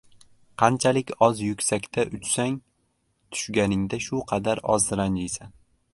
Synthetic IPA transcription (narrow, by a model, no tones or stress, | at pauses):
qʰɑnt͡ʃʰalɪkʲɒzjʊkʲsakʲt̪ʰaʔʊt͡ʃsaŋ | t̪ʰʊ̥ʃɡʲanɪŋd̪aʃʊqʰɑd̪aɾɒ̰zɾand͡ʒijsan